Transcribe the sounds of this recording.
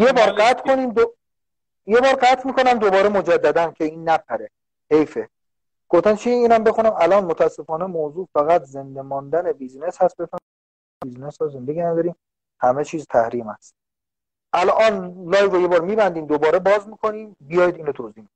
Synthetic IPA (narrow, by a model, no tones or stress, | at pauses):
jebɒːɾɢæt̪ʰkʰo̞niːmd̪o | jebɒːɾɢæt̪ʰmiːkʰo̞næmd̪obɒːɾemod͡ʒæd̪ːæd̪æncʰe̞iːnːæp̚ʰæɾe | hejfe | ɡ̥oft̪ænt͡ʃʰiiːnæmbe̞xunæmælɒːnmot̪ʰææsːe̞fɒːnemoːzuːfæɣæt̪ʰze̞nd̪emɒnd̪ænebiːzneshæst̪̚befæ | biznesɔːze̞nd̪eɡinæd̪ɒːɾiːm | hæmet͡ʃʰiːzt̪ʰæhɾiːmæst̪̚ | ʔælʔɒːnlɒːjɾoje̞bɒːɾmiːbænd̪iːmd̪obɒːɾebɒːzmiːkʰo̞niːmbijɒjd̪iːnot̪ʰoziːhmid̪i̥